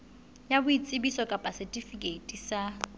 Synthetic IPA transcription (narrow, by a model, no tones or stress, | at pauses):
jabʊit͡sʼɪbisɔkʼapʼasɪtʼifikʼetʼisa